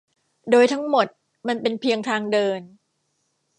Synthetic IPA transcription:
doː˧jt̪ʰa˦˥ŋmo˨˩t̪̚ | ma˧npe˧npʰi˧əŋt̪ʰaː˧ŋdɤː˧n

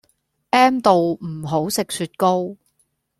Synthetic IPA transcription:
ʔɛː˥mt̪o˨wm̩˨˩ɦo˨˥wsɪ˨k̚syː˧t̚ko˥w

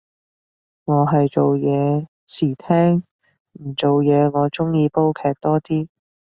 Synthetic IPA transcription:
ŋɔː˨˧ɦɐ˨jt͡ʃo˨wjɛː˨˧ | siː˨˩t̪ʰɛː˥ŋ | m̩˨˩t͡so˨wjɛː˨˧ŋɔː˨˧t͡sʊ˥ŋjiː˧po˥wkʰɛː˧k̚t̪ɔː˥t̪iː˥

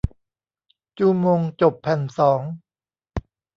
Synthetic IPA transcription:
t͡ɕuː˧˩moː˧ŋt͡ɕo˨˩pʰːɛ˨˩nsɔː˩˦ŋ

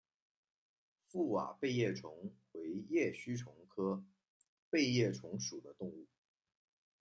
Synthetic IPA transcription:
fu˥˩wa̰˨˩pe˥˧ɪjɛ˥˩ʈ͡ʂʰʊ˧˥ŋ | we˧˥ɪjɛ˥˩ɕy˥ʈ͡ʂʰʊ˧˥ŋkʰɤ˥ | pe˥˧ɪjɛ˥˩ʈ͡ʂʰʊ˧˥ŋʂu˨˩d̪ə˦t̪ʊ˥˧ŋu˥˩

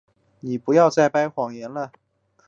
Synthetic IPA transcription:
ni˨˩pu˨˧˥jɑ˥˧ʊt͡sa˥˩ɪpa˥ɪxwɑ˨˩ŋjɛ˧˥nlə˧

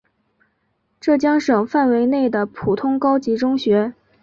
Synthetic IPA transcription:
ʈ͡ʂɤ˥˩t͡ɕjɑ˥ŋʂɤ˨˩ŋfa˥˩nwe˧˥ɪne˥˩ɪd̪ə˩pʰu˨˩t̪ʰʊ˥ŋkɑ˥ʊt͡ɕi˧˥ʈ͡ʂʊ˥ŋɕɥɛ˧˥

